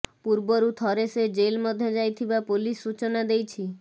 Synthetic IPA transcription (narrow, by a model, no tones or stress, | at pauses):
puɾbɔɾut̪ʰɔɾesed͡ʒelmɔd̪ʱjɔd͡ʒajt̪ʰibapulisːut͡ʃɔnad̪ejt͡ʃʰi